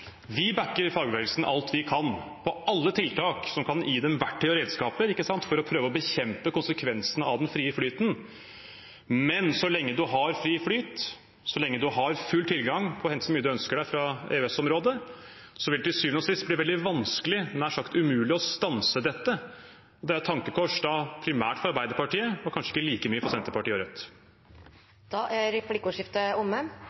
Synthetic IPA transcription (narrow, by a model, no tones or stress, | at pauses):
ʋɪbækːəɾɪfɑːɡəʋɛːɡəlsn̩ʔɑ̰lt̪ʋɪkʰɑnpʰɔʔɑlːət̪ʰɪlt̪ʰɑːksɔmkʰɑnʔiːd̪ɛmʋæʈːœʏəɾeːd̪skɑːpəɾɪkːəsɑnt̪fɔɾɔpʰɾøːʋəɔbəçɛmpəkʊnsəkʰʋɛnsənəɑ̰ʋd̪ɛnfɾiːəflyːt̪n | mɛnsɔlɛŋːəd̪ʉɦɑɾfɾiːflyːt̪ | sɔlɛŋːəd̪ʉɦɑɾfʉlt̪ʰɪlɡɑŋpʰɔhɛnt̪sɔmyːəd̪ʉœnskəɖæɪfɾɑḛːʉɛsɔmɾoːd̪ə | sɔʋɪlɛt̪ʰɪsyːʋnɔsɪst̪̚bliːʋɛld̪ɪʋɑnskəlɪmɛnæɾʂɑkt̪ʉmʉːlɪɔst̪ɑnsəd̪ɛt̪ːə | ɔd̪ɛæɾt̪ʰːɑŋkəkʰɔʂd̪ɑpʰɾɪmæ̰ːʈfɔɾɑɾbæɪd̪əɾpɑʈiːəɔkʰɑnʂəɪ̥kːəliːkəmyːəfɔɾsɛnt̪əɾpɑʈiːəɔɾœt̪ː | d̪̥ɑːʔæɾɛplɪkʊːʂɪft̪əʊmːə